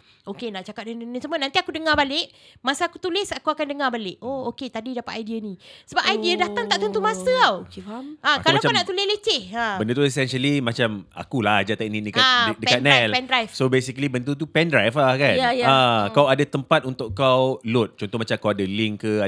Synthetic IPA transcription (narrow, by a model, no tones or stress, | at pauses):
okenaʔt͡ʃakat̪̚ədənəsəmənant̪iakudəŋabalɪʔmasaakut̪ulɪsakuakandəŋabalɪʔooket̪adidapat̪ajdianĩsəbap̚ʔajdiədat̪aŋt̪aʔt̪ənt̪umasəawakalaanaʔt̪ulɪhlet͡ʃɪhabəndut̪uɛsɛnʃəlimat͡ʃama̰kulahd͡ʒat̪ɛʔninəkaadəkat̪̚nɛlpɛndɾajfsobesikəlibənt̪ut̪̬upɛndɾajflahkanjajakawadat̪əmpat̪̚unt̪ʊʔkawlʊt̪̚t͡ʃɔnt̪ɔhmat͡ʃakawadalɪŋkəa